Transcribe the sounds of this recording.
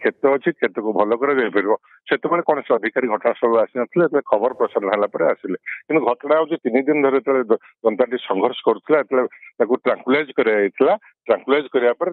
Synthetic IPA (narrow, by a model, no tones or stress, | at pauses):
kʰet̪ɔːt͡ʃʰit̪̚kʰet̪ɔkubʱɔlɔkɔɾebebiɾibɔ | set̪ebɔɽ̃ekɔɽ̃ɔsɔd̪ʱikaɾiɡʱɔʈɔɽ̃asɔbuasinɔt̪ʰileet̪ʰlekʰɔbɔɾɔpɾɔsaɾɔnaɦelapɔɾeasilekint̪uɡʱɔʈɔɽ̃awd͡ʒet̪inid̪inɔd̪ʱɔɾet̪ʰɔɭe | d͡ʒ̪ɔnt̪aʈisɔŋɡʱɔɾsɔ̥kɔɾut̪ʰilaet̪ʰɔlet̪akuʈɾaŋkulad͡ʒkɔɾiaɦit̪ʰila | ʈɾaŋkulad͡ʒkɔɾibapɔɾe